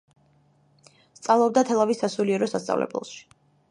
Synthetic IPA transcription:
st̪sʼalˠɔb̚d̪at̪ʰɛlˠavisːasuliɛɾɔsast̪sʼa̰vlɛ̰blɛ̰ʃi̥

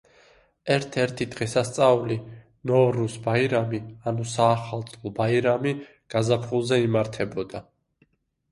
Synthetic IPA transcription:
ɛɾt̪ʰɛɾt̪ʰid̪ʁɛsast̪sʼali | nɔvɾusbaiɾamianusaːχalˠt̪sʼlˠɔbaiɾami | ɡ̥azapʰχulˠzɛimaɾt̪ʰɛbɔd̪a

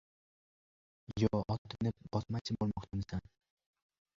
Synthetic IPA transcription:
jɒɔʔɒt̪ʰːɪnɪp̚b̥ɒsmat͡ʃʰɪbolˠmɒqt͡ʃʰamɪsan

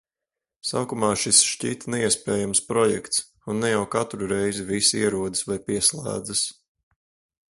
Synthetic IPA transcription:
saːkumɑːʃisʃciːt̪nɛiɛspɛːjamspɾɔjɛkt̪s | unːɛjawkat̪ɾuɾɛjzivisiɛɾuɔd̪ɨ̥svajpiɛslˠæ̰ːd̪zɨs

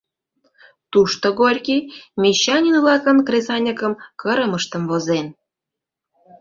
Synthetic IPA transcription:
t̪uʃt̪oɣorʲkimʲeɕːɑnʲinvlɑkənkrʲesɑnʲəkəmkəɾəməʃt̪ə̆mvozen

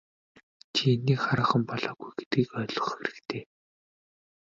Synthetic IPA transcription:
t͡ɕʰienːiːχaɾə̆χə̆mpɔɮɔːɣujɡet̪ɡiːkœːɮɞ̆χxeɾɘ̆kt̪ʰeː

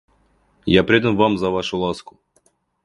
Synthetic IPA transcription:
japɾʲed̪ənvamzɐvaʂʊlˠaskʊ̥

